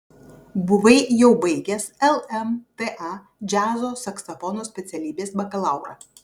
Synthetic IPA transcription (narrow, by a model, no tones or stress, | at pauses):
bʊʋɐɪjɛʊbɐɪɡʲɛsɛlˠɛmt̪eʔɑ | d͡ʒʲæːzoːsɐksɐfɔnoːsʲpʲɛt̪sʲɛlʲiːbʲeːsbɐkɐlˠɑˑʊɾɐ̰ː